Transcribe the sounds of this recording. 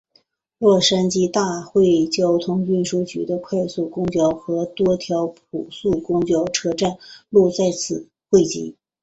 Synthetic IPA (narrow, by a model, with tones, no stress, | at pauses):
lwɔ˥˩ʂa˥nt͡ɕi˥t̪a˥˧xwe˥˧ɪt͡ɕjɑ˥ʊt̪ʰʊ˥ŋy˥˩nʂu˥t͡ɕy̰˧˥d̪ə˧kʰwa˥˧ɪsu˥˩kʊ˥ŋt͡ɕjɑ˥ʊxɤ˧˥t̪wɔ˥t̪ʰjɑ˧˥ʊp̚ʰu˨˩su˥˩kʊ˥ŋt͡ɕjɑ˥ʊʈ͡ʂʰɤ˥ʈ͡ʂa˥˩nlu˥˧t͡sa˥˧ɪt͡sʰɹ̩˨˩ | xwe˥˩ɪt͡ɕḭ˧˥